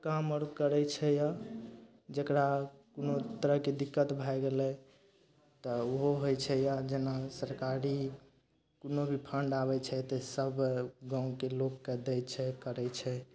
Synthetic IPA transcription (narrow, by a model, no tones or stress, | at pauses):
kaməɾkəɾɛt͡ʃʰɛja | d͡ʒəkɾakonot̪əɾəɦked̪ikːət̪bʱajɡelɛ | t̪ɔoɦoɦojt͡ʃʰɛjad͡ʒenasəɾkaɾi | konobʱipʰəɳɖaβɛt͡ʃʰɛt̪ɔsəbɡãũkelokːɛd̪ɛt͡ʃʰɛkəɾɛt͡ʃʰɛ